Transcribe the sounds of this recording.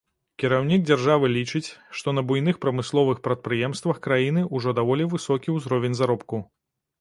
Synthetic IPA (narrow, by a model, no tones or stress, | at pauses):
kʲiɾawnʲiɡ̚d͡zʲarʐavɨlʲit͡ʂɨt͡sʲʂt̪ɔnɐbujnɨxpɾɐmɨslˠɔvɨxpɾɐt̪̚pɾɨjɛmst̪vɐxkɾajin̪ɨʔuʐɔd̪avɔlʲivɨsɔkʲiwzɾɔvʲɛnʲzaɾɔpku